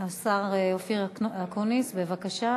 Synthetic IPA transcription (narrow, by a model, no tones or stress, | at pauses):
asaʁofiʁakonisbevakaʃa